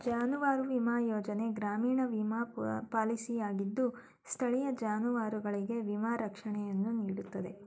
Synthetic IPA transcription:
d͡ʒaːnuʋaːɾuʋimaːjoːd͡ʒɐne̞ɡɾaːmiːɳɐʋimaːpaːlisijaːɡid̪ːu | st̪ʰɐɭijɐd͡ʒaːnuʋaːɾuɡɐɭiɡe̞ʋimaːɾɐkʂɐɳɛjɐnːuniːɽut̪ːɐd̪e̞

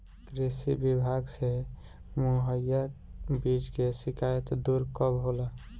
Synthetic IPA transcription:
kɾesibibʱaɡse | moɦəjabid͡ʒkesikajət̪d̪uɾkəbɦola

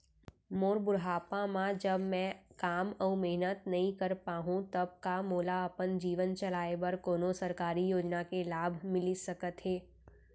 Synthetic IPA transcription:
moːɾbʊɾɦaːpãmãd͡ʒəbmɛ̃kaːmɔmeɦnət̪nɐɦĩkɐɾpaːɦũt̪ɐb̚kamoːlaɐpənd͡ʒiːʋənt͡ʃɐlaːebɐɾkoːnosɐɾkaːɾijoːd͡ʒnakelaːbʱmɪlisɐkət̪ɦeː

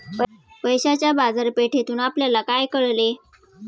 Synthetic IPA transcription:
p | pəjɕat͡ɕjabad͡zəɾpeʈʰet̪uːnapljalakajkəɭle

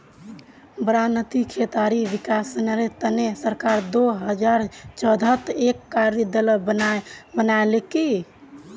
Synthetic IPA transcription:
bəɾanət̪ikʰet̪aɾiʋikasnəɾet̪ənesəɾkaɾd̪oɦəd͡ʒaɾt͡ʃəd̪ʱət̪ekːaɾɾid̪ələbənbənaeleki

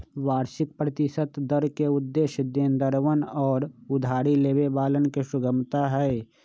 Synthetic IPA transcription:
ʋaːɾʃɪk̚pɾət̪ɪʃət̪d̪əɾkeʊd̪ːeːʃəd̪ẽːnd̪əɾʋənɔːɾʊd̪ʱaːɾileːʋebaːlənkeʃʊɡəmt̪aɦɛː

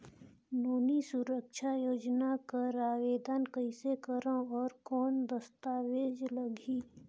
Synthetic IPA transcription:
noːnisʊɾəkʃʰajoːd͡ʒnakaɾaːʋeːd̪aːnkəɪsekəɾãɔːɾkɔːnd̪əst̪aːʋeːd͡ʒləɡʱiː

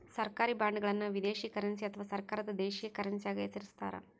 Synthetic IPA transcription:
sɐɾkaːɾibaːɳɖuɡɐɭɐnːɐʋid̪eːʃikɐɾɐnsiɐt̪ʰɐʋaːsɐɾkaːɾɐd̪ɐd̪eːʃijekɐɾɐnsijaːɡɐjɐsɐɾist̪a̰ːɾɐ̰

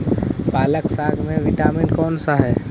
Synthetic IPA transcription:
paːləksaːɡʰʱmẽʋɪʈaːmɪnkɔːnsaɦɛː

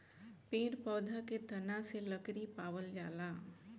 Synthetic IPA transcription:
peːɾpɔːd̪ʱaket̪ɐnãseləkɾipaːwəld͡ʒaːlaː

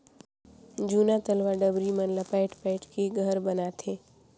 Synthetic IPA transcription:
d͡ʒuːnat̪əlʋaɖəbɾimənləpɛɪʈʰpɛɪʈʰkeɡʱəɾbənat̪ʰeː

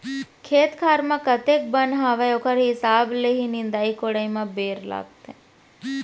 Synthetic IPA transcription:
kʰeːt̪kʰaːɾmãkət̪ek̚bənɦaʋajokʰəɾɦɪsaːbleɦinɪnd̪aːikoɽaimãbeːɾla̰ːɡt̪e

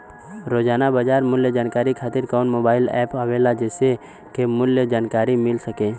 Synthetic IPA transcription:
ɾoːd͡ʒaːnabəd͡ʒaːɾmʊljəd͡ʒaːnkaːɾikʰaːt̪ɪɾkɔːnmoːbaːɪlɛ̰ːpaʋelad͡ʒɛːse | kemʊljəd͡ʒaːnkaːɾimɪlsəkeː

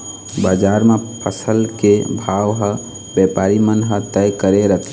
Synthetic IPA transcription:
bad͡ʒaɾmepʰəsəlkebʱawɦə | bjɛpaɾimənɦət̪ɛjkəɾeɾət̪ʰ

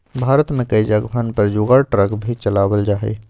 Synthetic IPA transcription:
bʱaɾət̪mẽkəd͡ʒaɡbʱənpəɾd͡ʒuɡəɾʈɾəkbʱit͡ʃəlabəld͡ʒaɦɛ̰

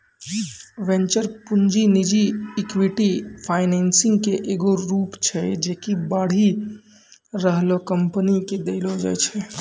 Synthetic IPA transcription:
ʋɛ̃nt͡ʃəɾpund͡ʒinid͡ʒiːkwiʈipʰaɪnɛnsɪ̃ŋɡkeʔeːɡoɾuːpt͡ʃʰɛd͡ʒekibaːɽ̤i | ɾəɦlokəmpəniked̪eɪlod͡ʒa̰jt͡ʃʰɛ

